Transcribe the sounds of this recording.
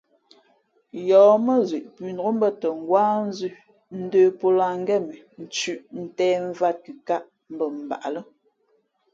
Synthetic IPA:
jɔː˨˦mə˦zwe˨ʔpʉ˨nɔ˨o˦m̩˦bə˦tə˨ŋ̩˨ɡwaː˦n̩˦zʉ˦ | n̩˦dəː˦˨po˦la˨ŋ̩˦ɡɛ˦˨mə˨ | n̩˨t͡ʃʉ˦˨ʔn̩˨tɛː˦ɱ̩˦va˦t̚ki˨ka˦ʔ | m̩˦bə˨m̩˨ba̰˨ʔa˨lə˦

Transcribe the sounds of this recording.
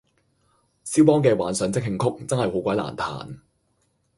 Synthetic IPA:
siː˥wpɔː˥ŋkɛː˧waː˨˥nsœː˨˧˥ŋt͡sɪ˥k̚ɦɪ˧ŋkʰʊ˥k̚t͡sɐ˥nhɐ˨jho˨˥wkʷɐ˨jla̰ː˨˩nt̪ʰa̰ː˨˩n

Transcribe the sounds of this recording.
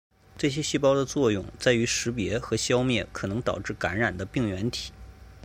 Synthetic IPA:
ʈ͡ʂɤ˥˩ɕ̬jɛ˥ɕi˥˩pɑ˥ʊd̪ə˨t͡swɔ˥˧jʊ˥˩ŋt͡sa˥˩ɪy˧˥ʂɻ̩˧˥p̬jɛ˧˥xɤ˧˥ɕjɑ˥ʊmjɛ˥˩kʰɤ˨˩nɤ˧˥ŋt̪ɑ˨˩ʊʈ͡ʂɻ̩˥˩ka˧˥nɻa˨˩nd̪ə˦pi˥˩ŋɥɛ˧˥nt̪ʰi̥˨˩˦

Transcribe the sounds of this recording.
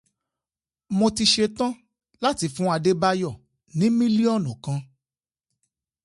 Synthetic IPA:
mo˧ti˧ʃe˧tã˦ | la˦ti˧˦fũ˦a˧de˦ba˧jɔ˦˨ | nĩ˨˦mĩ˦li˦ɔ˦˨nũ˨kã˨˧

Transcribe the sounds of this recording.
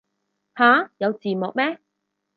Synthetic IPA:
haː˨˥˦jɐ˨˧wt͡siː˨mɔ˨k̚mɛ˥

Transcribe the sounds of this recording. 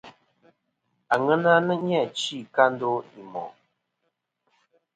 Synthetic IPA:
a˨ŋə˦na˦nə˦ɲ˦a˦˨t͡ʃi˦˨ka˦n˦do˦i˨mɔ̰˨

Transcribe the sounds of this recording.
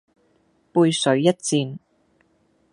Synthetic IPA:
puː˧jsɵ˨˥ɥjɐ˥t̚t͡siː˧n

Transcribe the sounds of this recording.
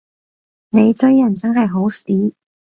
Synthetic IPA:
ne˨˧jt͡sɵ˥jjɐ˨˩t͡sɐ˥nɦɐ˨jɦo˨˥wsiː˨˥

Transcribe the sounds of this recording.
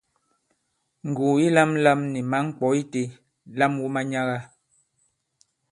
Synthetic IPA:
ŋ̩˨ɡu˨i˦la˦mla˦mni˨ma˨˦ŋ̩˦k͡pɔ˨˦i˦te˦ | la˦mwu˦ma˦ɲa˦ɣa˦

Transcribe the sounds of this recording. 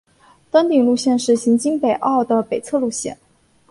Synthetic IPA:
t̪wə˥nt̪i˨˩ŋlu˥˧ɕjɛ˥˧nʂɻ̩˥˩ɕi˧˥nt͡ɕi˥ŋpe˨˩ɪʔɑ˥˩ʊd̪ə˩pe˨˩ɪt͡sʰɤ˥˧lu˥˧ɕjɛ̰˥˩n

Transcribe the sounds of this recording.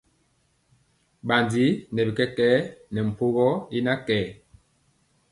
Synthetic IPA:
ɓa˨ndi˦nɛ˨bi˨kɛ˦kɛː˦nɛ˨m̩˨po˦ɣɔ˦i˦na˦kɛː˨˦

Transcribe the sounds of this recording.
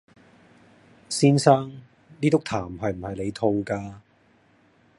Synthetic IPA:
siː˥nsaː˥ŋ | liː˥t̪ʊ˥k̚t̪ʰaː˨˩mɦɐ˨jm̩˨˩hɐ˨jle˨˧jt̪ʰʊ˧ŋkaː˧

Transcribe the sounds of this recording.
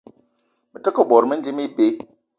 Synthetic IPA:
mə˨tə˦kə˦ɓɔ˨ɾmi˦nd͡ʒi˦mi˦pe˨˦

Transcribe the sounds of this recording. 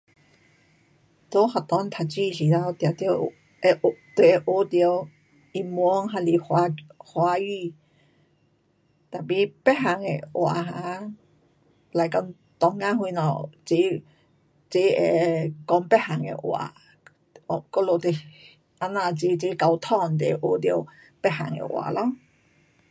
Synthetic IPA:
t̪o˧˦ha˨˩t̪ɔ˧˦nt̪ʰa˨˩t͡ɕi˥˧˨ɕi˨ta˧wt̪ja˨˩t̪j | e˧t̪we˨e˧ʔo˧˦t̪jw | i˧˩mwɔ˧˦ŋɦa˧˩li˨˩hwa˧hwa˧˦ji˧˨ | t̪a˨˩pi˧pɛ˦˥ɦa˨ŋḛ˨ʔwa̰˨˩ɦa˧˦ | la˨jkɔ˧˦ŋ | t̪ɔ˧˩ŋŋa˧˦hwu˧nɔ̰˨˩t͡se˧˦ | t͡se˧˦e˧˨kɔ˧˦ŋpɛ˦˥ha˨ŋḛ˨ʔwa̰˨˧ | kɔ˧lo˨˧˨t̪e˧˨ | ʔa˧nã˧˨t͡se˧˦t͡ɕe˧˦ka˧wt̪ʰɔ˧˨nt̪e˨e˨ʔo˧˦t̪̬i˧ə˧˦ | pɛ˦˥ha˨˩ŋḛ˨ʔw̰a̰ː˨lɔ˧˦ŋ

